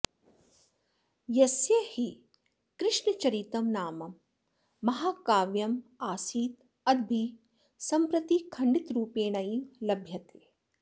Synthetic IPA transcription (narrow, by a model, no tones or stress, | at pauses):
jɐsjɐhi | kɾɪʂɳɐt͡ʃɐɾit̪ɐmnaːmɐmː | ɐɦaːkaːʋjɐmaːsiːt̪ | ɐd̪bʱi | sɐmpɾɐt̪ikʰɐɳɖit̪ɾuːpeːɳɐjimlɐbʱjɐt̪eː